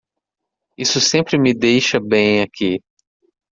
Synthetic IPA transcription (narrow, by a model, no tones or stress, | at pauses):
isʊsẽpɾɪmɪd̪ejʃɐbẽj̃akʰi